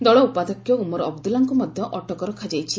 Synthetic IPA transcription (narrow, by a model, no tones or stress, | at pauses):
d̪ɔɭɔupad̪ɔkjɔumɔɾɔbd̪ulaŋkumɔd̪ʱjɔʔɔʈɔkɔɾɔkʰad͡ʒajt͡ʃʰi